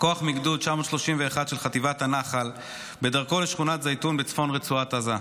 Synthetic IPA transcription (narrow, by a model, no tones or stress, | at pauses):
koaχmiɡdud̪̚t͡ʃamo̞tʃlo̞ʃimveːχad̪ʃelχat̪ivathanaχal | be̞d̪aʁko̞leʃχunat̪zajtunbet͡sfo̞nʁet͡suat̪aza